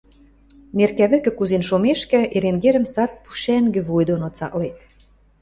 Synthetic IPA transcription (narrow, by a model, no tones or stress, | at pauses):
merkæβɘ̆kɘ̆kuzenʃomeʃkɘ̆ʔeɾeŋɡeɾə̆msɑt̪̚pu̥ʃæŋɡɘ̆βujd̪onot͡sɑ̰klet̪̚